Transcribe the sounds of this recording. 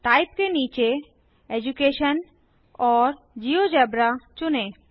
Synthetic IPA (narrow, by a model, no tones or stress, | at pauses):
t̪ajp̚kenit͡ɕe | ed͡ʑukeʃan | ɔɾ | d͡ʑiod͡ʑɛbɾat͡ɕone